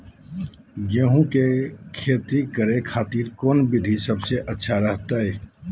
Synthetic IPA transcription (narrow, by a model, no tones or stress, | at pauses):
ɡoːɦũkekʰeːt̪ikəɾekʰaːt̪iːɾkoːnbɪd̪ʱisɐbseʔɐtːʃʰaɾəɦt̪aɦɛː